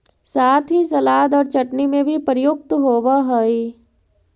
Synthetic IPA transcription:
saːt̪ʰɦisɐlaːd̪ɔːɾt͡ʃɐʈnimẽbʱipəɾjʊk̚t̪ɦoːʋaɦoi

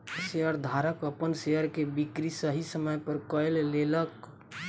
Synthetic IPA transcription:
seəɾd̪ʱaɾəkəpənseəɾkebikɾisəɦisəməjpəɾkəɪllelək

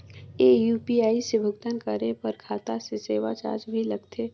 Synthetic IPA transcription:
eːjuːpiaːisebʱʊɡt̪ənkəɾepɐɾkʰaːt̪aseseːwat͡ʃa̰ːɾd͡ʒbʱilɐɡt̪ʰeː

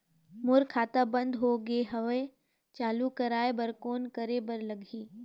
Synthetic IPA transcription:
mʊɾkʰaːt̪abə̃nd̪ɦoːɡeɦɐʋe | t͡ʃaːlukəɾaːebəɾkoːnkəɾebəɾlɐɡʱiː

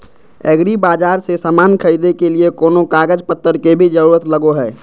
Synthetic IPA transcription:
ɛːɡɾibaːd͡ʒaːɾsesaːmaːnkʰəɾid̪ekeliekoːnokaːɡəd͡ʒpət̪ːəɾkebʱid͡ʒəɾuːɾət̪ləɡoɦɛː

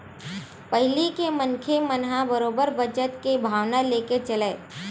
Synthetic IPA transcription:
pəɦɪlikemənkʰemənɦabəɾoːbəɾbəd͡ʒət̪kebʱaːʋnaleːket͡ʃɐleː

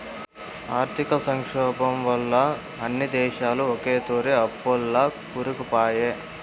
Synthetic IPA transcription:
aːɾt̪ʰikɐsɐŋkʂɔːbɐmʋɐlːɐ | ɐnːid̪ɛːʃaːluokeːt̪oːɾeɐpːulːɐkuɾukupaːje

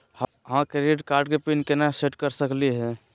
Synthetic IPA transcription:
h | ɦãkɾeʈkaːɾɖkepinkenaseʈkəɾsəkliɦɛ̃

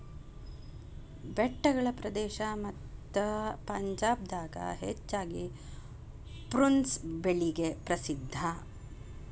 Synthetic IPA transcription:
bɛʈːɐɡɐɭɐpɾɐd̪ɛːʃɐmɐt̪ːɐpɐɲd͡ʒaːb̚d̪aːɡɐ̰ɦḛt͡ʃːaːɡi | pɾunsbeɭiɡepɾɐsid̪ʱːɐ

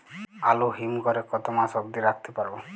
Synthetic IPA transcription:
aluɦimkɔɾekɔt̪ɔmasɔb̚d̪iɾakʰt̪epaɾbɔ

